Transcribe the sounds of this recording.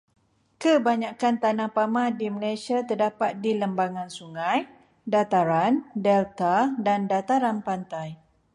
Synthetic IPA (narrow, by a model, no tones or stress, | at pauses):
kəbaɲakant̪anãhpamãdiməlasiat̪ərdapat̪̚diləmbaŋãnsuŋãj | dat̪aɾandɛlt̪adandat̪aɾanpant̪aj